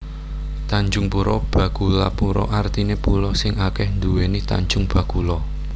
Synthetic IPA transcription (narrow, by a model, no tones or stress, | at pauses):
t̪aɲd͡ʒʊŋpuɾɔb̥ä̤ɡ̥ulapuɾɔ̰ʔart̪inepulɔsɪŋakɛhnd̪uwenit̪a̰ɲd͡ʒʊŋb̥a̤ɡ̥ulɔ